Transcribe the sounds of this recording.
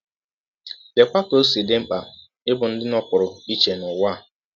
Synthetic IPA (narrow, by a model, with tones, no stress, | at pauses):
de˨kʷa˦ko˦si˨dɪ˦m̩˦k͡pa˨ | ɪ˦bʊ˨n̩˦dɪ˦nɔ˦pʊ˨ɾʊ˨i˦t͡ʃe˨nʊ˨wa˦˨